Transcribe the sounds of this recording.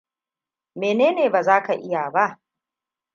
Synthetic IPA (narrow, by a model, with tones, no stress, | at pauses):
meː˨neː˦neː˨baː˨zaː˦ka˨ʔɪ˦jaː˨ba˦˨ʔ